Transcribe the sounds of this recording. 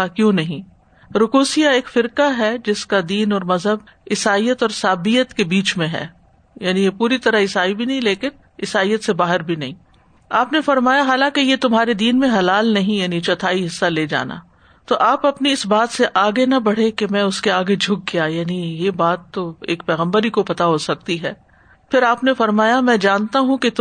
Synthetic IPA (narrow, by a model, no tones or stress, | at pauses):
akjõːnɐɦĩ | ɾʊkuːsijaeːkfɪɾkaɦɛd͡ʒɪskad̪iːnɔːɾmɐzɦəb | ɪsaːijət̪ɔːɾsaːbijət̪kebiːt͡ʃmẽɦɛ̰ː | jaːnijepuːɾit̪ɐɾaɪsaːibʱinɐɦĩleːkɪn | ɪsaːijət̪sebaːɦɪɾbʱinɐɦĩː | aːpnefɐɾmaːjaɦaːlãːkejet̪ʊmɦaːɾed̪iːnmẽɦɐlaːlnɐɦĩjaːnit͡ʃɐt̪ʰaːiɦɪsːaleːd͡ʒa̰ːna̰ | t̪oʔaːpɐpniɪsbaːt̪seʔaːɡenɐbɐɽ̤ekemɛ̃ʊskeaːɡed͡ʒʱʊɡ̚ɡijajaːnijebaːt̪ːoeːkpɛːɣə̃mbəɾikopɐt̪aɦoːsɐk̚t̪iɦɛː | pʰɪɾaːpnefɐɾmaːjamɛ̃ːd͡ʒaːnt̪aɦũket̪